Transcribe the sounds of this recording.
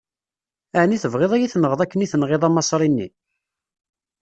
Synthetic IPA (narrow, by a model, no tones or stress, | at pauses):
æʕniθəvʁeðˤæjiθnʁəðˤækːəniθənʁeðˤɑmɑsˤɾˤinːḭ